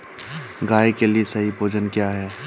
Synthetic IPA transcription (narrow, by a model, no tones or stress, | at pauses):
ɡaːjkeliesɐɦibʱoːd͡ʒənkjaɦɛː